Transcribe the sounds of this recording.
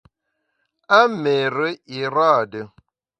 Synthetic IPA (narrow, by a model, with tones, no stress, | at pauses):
a˦me˨ɾə˦i˨ɾa˦˨də˨